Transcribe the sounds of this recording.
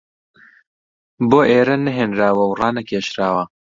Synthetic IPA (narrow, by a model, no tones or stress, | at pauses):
boːʔeːɾɐnɐɦeːnɾaːwɐwrɑːnɐkʰeːʃɾaːwɐ